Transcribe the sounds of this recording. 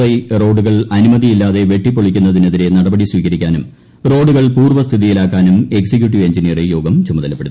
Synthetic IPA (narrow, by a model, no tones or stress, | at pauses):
ɐjro̞ːɖuɣɐɭɐnumɐðijilːaːðe̞ʋje̞ʈːipːoɭikʲːunːɐðinɐðiɾe̞nɐɽɐbɐɽisʋiːkɐɾikʲːaːnum | ro̞ːɖːuɣɐɭpuːrʋɐst̪ʰiðijilaːkːaːnume̞ksik̬juʈ̬ːiʋe̞ɲd͡ʑinijɐrejo̞ːɡɐmt͡ɕumɐðɐlɐpːeɽuː